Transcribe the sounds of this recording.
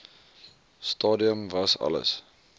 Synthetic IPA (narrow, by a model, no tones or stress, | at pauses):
stɑːdiəmvɐsɐ̰lə̰s